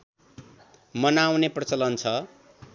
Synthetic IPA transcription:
mʌnawneprʌt͡sʌlʌnt͡sʰʌ

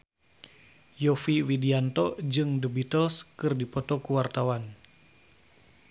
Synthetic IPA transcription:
jɔfiwidiant̪ɔd͡ʒɨŋdəbit̪əlskɨrdipɔt̪ɔkuwart̪awan

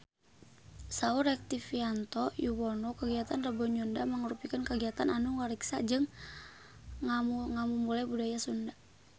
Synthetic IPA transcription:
sauɾɛk̚t̪ifiant̪ɔjuwɔnɔkəɡiat̪anrəbɔɲɔndaməŋəɾupikənkəɡiat̪ananuŋwaɾiksa̰d͡ʒɨŋ | amuŋamumulajbudajasunda

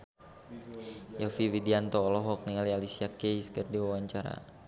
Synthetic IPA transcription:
jɔfiwidiant̪ɔːlɔɦɔk̚niŋalialisiakejskərdiwawaɲt͡ʃaɾa̰

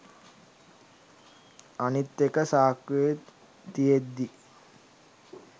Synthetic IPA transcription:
anit̪ːekəsaːke | t̪ijed̪ːi

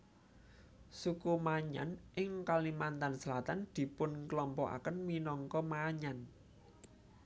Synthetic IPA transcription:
sukumaɲa̰nʔɪŋkalimant̪ansəlat̪and̪̥i̤pʊnklɔmpɔʔa̰kənminɔŋkɔmaɲan

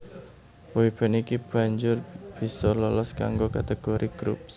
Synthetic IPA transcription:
poib̥anikib̥ä̤ɲd͡ʒʊrb̥isɔlɔlɔska̰ŋɡokat̪eɡ̥oɾʔiɡ̥ɾṵp̚s

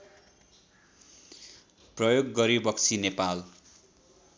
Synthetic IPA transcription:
prʌjoɡːʌɾibʌkt͡sʰinepal

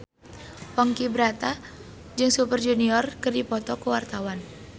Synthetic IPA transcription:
pɔŋkibɾat̪a | d͡ʒɨŋsupərd͡ʒuniɔrkɨrdipɔt̪ɔkəwart̪awan

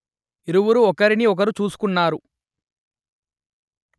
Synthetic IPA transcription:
iɾuwuɾuɔkɐɾiniɔk̬ɐɾut͡ʃuːsu̥kunːaːɾu

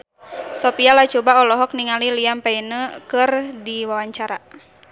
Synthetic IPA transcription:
sɔpialat͡ʃɔbaɔlɔɦɔk̚niŋaliliampainəkɨrdiwawaɲt͡ʃaɾa

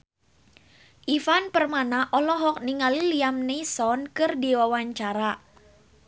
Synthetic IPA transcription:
ʔifanpərmanaʔɔlɔɦɔk̚niŋaliliamnesɔnkɨrdiwawaɲt͡ʃaɾa

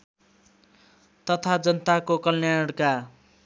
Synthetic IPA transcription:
t̪ʌt̪ʰad͡zʌnʌt̪akokʌlnjaɽka

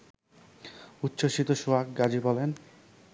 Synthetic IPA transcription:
utːɕoʃit̪oʃuak̚ɡad͡ʑibɔlen

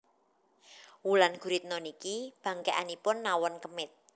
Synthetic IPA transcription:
wulanɡ̥ṳɾit̪̚nɔnikib̥ä̤ŋkɛʔanipʊnːawɔnkəmɪt̪̚

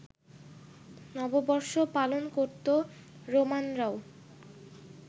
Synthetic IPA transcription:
nɔbobɔɾʃopalonkoɾt̪o | ɾomanɾaw

